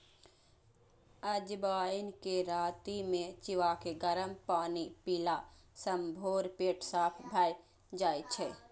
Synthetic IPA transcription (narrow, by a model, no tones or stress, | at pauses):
əd͡ʒbaːinkeɾaːt̪imẽt͡ʃiʋakeɡəɾəmpaːnipiːla | səmbʱoːɾpeːʈsaːpʰbʱaj | d͡ʒaːjt͡ʃʰɛ